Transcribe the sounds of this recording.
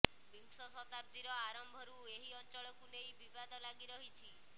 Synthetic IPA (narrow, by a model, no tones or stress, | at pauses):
biŋsɔsɔt̪ab̚d̪iɾɔaɾɔmbʱɔɾueɦiɔnt͡ʃɔɭɔkunejbibad̪ɔlaɡiɾɔɦit͡ʃʰi